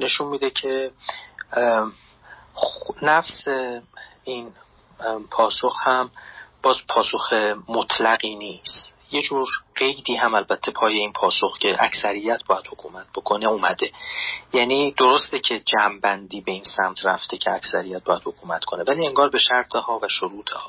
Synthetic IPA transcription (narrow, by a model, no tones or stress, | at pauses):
ne̞ʃunmiːd̪ecʰe̞ | næfsein | pʰɒːsoxhæmb̥ɒːzpʰɒːsoxe̞mot̪ʰlæɣiːniːst̪ | jed͡ʒuːɾɢe̞jd̪iːɦæmælbæt̪ʰːe̞pʰɒːje̞iːnpʰɒːsoxcʰe̞ʔæcsæɾijːæt̪̚ʰbɒːjæd̪̥hokʰuːmæt̪̚b̥o̞kʰo̞neuːmæd̪e̞jæːniːd̪̥oɾost̪ecʰe̞d͡ʒæːmbænd̪iːbe̞iːnsæmt̪ʰræft̪ʰecʰe̞æcsæɾijæt̪̚bɒːjæd̪ho̞kʰuːmæt̪kʰo̞nevæliːe̞ŋɡɒːɾbe̞ʃæɾt̪ʰehɒːvæʃoɾuːt̪ʰehɒː